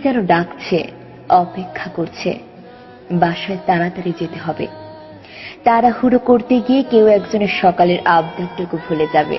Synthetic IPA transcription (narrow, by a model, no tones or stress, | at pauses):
d͡ʑɛnoɖakt͡ɕʰe | ɔpekʰːakoɾt͡ɕʰḛ | baʃaet̪aɾat̪aɾid͡ʑet̪eɦɔbḛ | t̪aɾahuɾokoɾt̪eɡiekewɛkd͡ʑoneɾʃɔkaleɾʔabd̪ʱat̪ːokobʱuled͡ʑabḛ